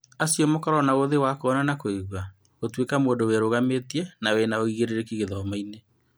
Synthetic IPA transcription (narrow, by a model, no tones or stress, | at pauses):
asjɔmokɔɾɔnaoðewakoɔnanakoeɣwa | ɣotwekamoːndoweɾoɣametiɛnawenaoiɣeɾeɾekiɣeðɔmaine